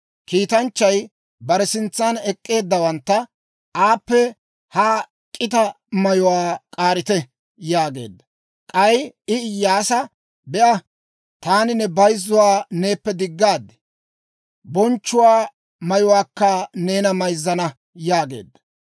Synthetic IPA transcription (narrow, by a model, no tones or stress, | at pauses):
kiːt̪ɐnt͡ʃːɐj | bɐɾɛsɪnt͡sːanɛkʼːe̞ːd̪ːɐwɐnt̪ːɐ | ʔaːpːɛ | haː | kʼɪt̪ɐ | mɐjʊwaːkʼaːɾɪt̪ɛ | jaːɡe̞̰ːd̪ːɐ | kʼɐjɪɪjːaːsɐ | bɛʔɐ | t̪aːnɪnɛbɐjzːʊwaːne̞ːpːɛd̪ɪɡːaːd̪ːɛ̥ | bɔnt͡ʃːʊwaː | mɐjʊwaːkːɐne̞ːnɐmɐjzːɐnɐ | jaːɡe̞̰ːd̪ːɐ̥